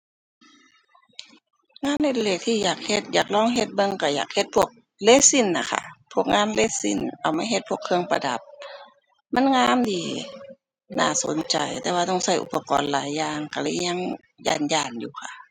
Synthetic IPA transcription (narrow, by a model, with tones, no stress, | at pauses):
ŋaː˧˥˨nːa˧˩˨da˧leː˧˩k̚t̪ʰiː˧˨jaː˨˩k̚he˧˩t̪̚jaː˨˩k̚lɔː˧˩˨ŋɦe˧t̪̚bɤ˧ŋka˧˩jaː˨˩k̚he˧t̪̚pʰu˧˩ək̚ | leː˧˥si˧˩˨nla˧˩kʰa̰˧˩pʰu˧˥˩ək̚ŋaː˧˥˨nle˧˥si˧˩˨nʔa˨˩wmaː˧˥˨ɦe˧t̪̚pʰu˧˩əkʰɯ˧əŋpa̰˧da˨˦p̚ | ma˧˥˨nŋaː˧˥˨mdiː˧˩ | na̰ː˧˩so̰˨˦nt͡ɕa˨˩jt̪ɛː˧waː˧ɔ˧˩ŋsa˧˩jʔṵ˧pːa˧kɔ̰ː˨nlaː˨˦jːaː˧ŋka˧˩lɤː˧˥˨jɲa˧˥˨ŋ | ja̰ː˧˩njaː˧˩njṵː˧˩xʰa̰˧˩ʔ